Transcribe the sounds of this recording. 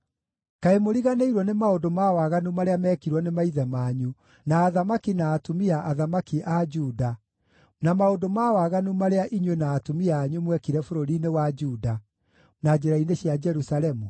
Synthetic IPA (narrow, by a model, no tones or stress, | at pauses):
kaemoɾiɣaneiɾwɔnemaodomawaɣanumaɾeamɛːkiɾwɔnemaiðɛmaːɲu | naːðamakinaːtumiaʔaðamakiʔad͡ʒuda | namaodomawaɣanumaɾeaʔiɲwenaːtumiaːɲumwɛkiɾɛfoɾoɾinewad͡ʒuːda | nad͡ʑeɾaineɕjad͡ʒɛɾusalɛmu